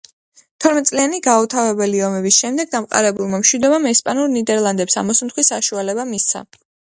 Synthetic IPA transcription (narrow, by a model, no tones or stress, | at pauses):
t̪ʰɔɾmɛt̪sʼlianiɡaut̪ʰavɛbɛliɔmɛbisʃɛmd̪ɛɡ̚d̪amqʼa̰ɾɛbulˠmamʃwid̪ɔbamɛspʼanuɾnid̪ɛɾlˠand̪ɛpsa̰mɔsmt̪χwisaʃualɛbamist̪sʰa̰